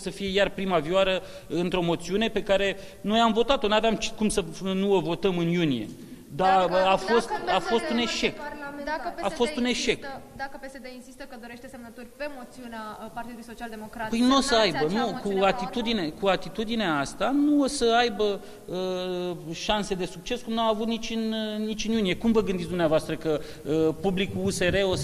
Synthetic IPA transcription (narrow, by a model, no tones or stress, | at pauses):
səfije̞jarpɾimaviowaɾə | ɨnt̪ɾo̞mo̞t̪siune̞pe̞kaɾe̞ | no̞jamvo̞t̪at̪o̞naveamt͡ʃkumsənuovo̞t̪əmɨnjunije̞̰ | d̪aafo̞stt̪afo̞st̪une̞ʃe̞k | afo̞st̪une̞ʃe̞kd̪akəpesed̪einzist̪əkəd̪o̞ɾeʃt̪esemnət̪urʲpe̞mot̪siuneapart̪id̪ulujso̞t͡ʃiald̪emokɾat̪pəjno̞səajbənukuat̪it̪ud̪inekuat̪it̪ud̪ineaast̪anuo̞səajbə | ə | ʃanse̞d̪e̞suk̚t͡ʃe̞skumnuamavut̪nit͡ʃinnit͡ʃʲɨnjunie̞kumvəɡɨnd̪itsd̪umneavoast̪ɾəkə | əpublikuːse̞ɾe̞os